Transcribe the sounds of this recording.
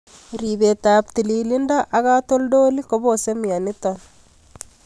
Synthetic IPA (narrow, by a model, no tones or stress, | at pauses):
ɾiβet̪aːpt̪ililindaʔaɣat̪oldolikoβosemianit̪on